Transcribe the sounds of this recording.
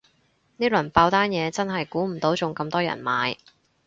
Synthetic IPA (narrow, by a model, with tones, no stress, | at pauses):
niː˥lɵ˨˩npaː˧wt̪aː˥njɛː˨˧t͡sɐ˥nɦɐ˨jkuː˨˥m̩˨˩t̪o˨˥wt͡sʊ˨ŋkɐ˧mt̪ɔː˥jɐ̰˨˩nma̰ː˨˧j